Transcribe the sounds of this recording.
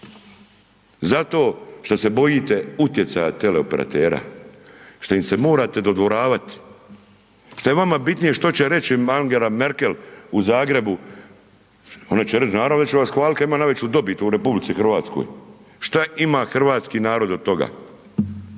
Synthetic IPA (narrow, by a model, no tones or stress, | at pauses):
zat̪o̞ːʃt̪ose̞bo̞jiːt̪e̞ut̪je̞t̪sajat̪e̞le̞ope̞ɾʔa̰t̪eːɾa̰ | ʃt̪oimse̞mo̞ːɾat̪e̞d̪o̞d̪ʋo̞ɾaːʋat̪i̥ | ʃt̪ojeʋamabit̪nije̞ʃt̪o̞t͡ɕe̞ɾe̞t͡ɕiaŋɡelame̞ɾke̞luzaːɡɾe̞bu | o̞nat͡ɕeɾe̞t͡ʃnaːɾaʋnet͡ʃeʋasxʋaːlitk̪aimaːnaʋe̞t͡ɕud̪o̞bit̪uuɾe̞publit̪sixr̩ʋaːt̪sko̰jʃt̪aʔimaxr̩ʋaːt̪skiːnaːɾo̞d̪ot̪ːo̞ɡa̰